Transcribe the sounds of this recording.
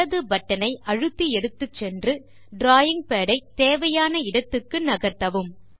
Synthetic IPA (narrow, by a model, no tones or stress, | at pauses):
ɐðɯbɐʈːɐnɐɪʔɐɻɯt̪ːiɛɽɯt̪ːɯt͡ʃːɛndrɯ | ɖɾaːjɪŋ̚peːɽɐɪt̪eːʋɐjaːnɐɪɽɐt̪ːɯkːɯnɐɣɐɾt̪ɐʋɯm